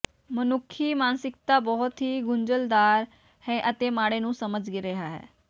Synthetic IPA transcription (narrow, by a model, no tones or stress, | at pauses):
mənʊkʰːiːmaːnsɪkt̪aːbɔɦʊt̪ɦiːɡʊɲd͡ʒəld̪aːɾ | hɛːʔət̪eːmaːɽeːnũːsəməd͡ʒɡɪɾeɦaːɦɛ̰ː